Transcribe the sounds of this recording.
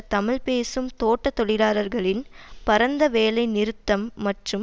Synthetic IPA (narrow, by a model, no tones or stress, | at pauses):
t̪ɐmɪlpeːsɯmt̪oːʈːɐt̪ːɔɭɪɾaːɾɐɾɣɐɭɪnpɐɾɐnd̪ɐʋeːlɐɪnɪɾɯt̪ːɐmːɐʈrɯm